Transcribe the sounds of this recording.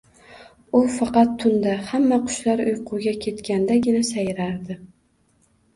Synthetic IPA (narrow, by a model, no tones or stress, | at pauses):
ʊfɑqɑt̪ʰːʊnd̪ahamːaqʰʊ̥ʃlaɾʊjqʰʊɡʲakʲʰe̞t̪kʲand̪aɡʲɪnasajɾaɾd̪ɪ